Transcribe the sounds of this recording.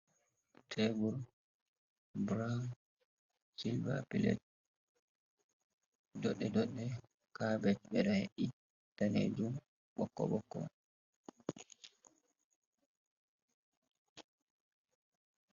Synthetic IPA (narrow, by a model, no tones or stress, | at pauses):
tʰebuɾ | bɾan | silba̰pilɛ̰t̚ | dɔɗːɛdɔɗːɛ | kabɛtbɛɾahɛɗi | tanḛd͡ʒum | ɓɔkːɔ̰ɓɔkːɔ̰